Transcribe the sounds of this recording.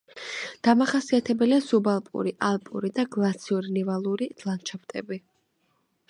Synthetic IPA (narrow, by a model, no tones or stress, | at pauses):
d̪̥amaχasiat̪ʰɛbɛliazubalˠpʼṵɾiʔalˠpʼṵɾid̪aɡlˠat̪sʰiuɾinɛvalˠuɾid̪̥ʰʼlˠant͡ʃʰapt̪ʼɛ̰bi